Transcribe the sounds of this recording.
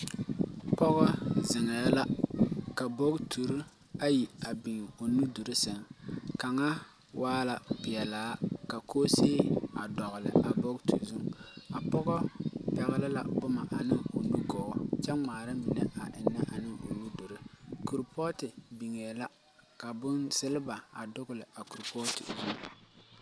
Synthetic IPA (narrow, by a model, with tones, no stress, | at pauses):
pɔ˦ɣɔ˦zɪ˨ŋɛ˨˦la˦ka˨bo˦ktʰu˨ɾu˦ | a˦ji˨a˨bi˨ŋ˨o˨nu˦du˨ɾɪ˦sɪ˨ŋka˨ŋa˦ | wʔaː˦la˨bɪ˨ɛ˨laː˦ka˨kʰoː˦seː˦a˨dɔ˨ɣʊ˨lɪ̰˨ʔa˨bɔ˦ktṵ˨zu˦ŋa˨pɔ˦ɣɔ˦bɛ˨ɣɪ˨lɪ˦la̰˨bʊ˦ma˨ʔa˨nɪ˦o˨nu˦ɡɔː˨t͡ʃɛ˦ŋ͡maː˨ɾa˦mɪ˨nɛ˨a˨ʔɪ˨nːɛ˦ʔa˨nɪ˦o˨nu˦du˨ɾɪ˦ku˨ɾpʰɔː˦tɪ˨bi˨ŋɛː˨la˦ | ka˨bʊ˦nsɪ˦lɪ˦ba˨a˨dʊ˦ɣʊ˦˨lɪ˨a˨ku˨ɾpɔ˦tɪ̰˨zu˦ŋ